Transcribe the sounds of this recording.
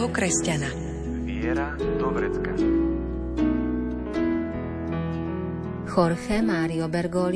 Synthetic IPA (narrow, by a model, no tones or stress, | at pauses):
ɔkɾɛscana | mɪɛɾad̪ɔbɾɛt͡ska̰ | xɔɾxɛmaːɾiɔbɛɾɡɔl